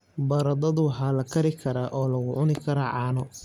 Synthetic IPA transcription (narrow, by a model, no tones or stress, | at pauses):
bɐɾɐd̪ɐðʊwħaːlɐkʰɐɾɪkʰɐɾaːʔɔːlɐɣʊʕʊnɪkʰɐɾaʕɑːnɔ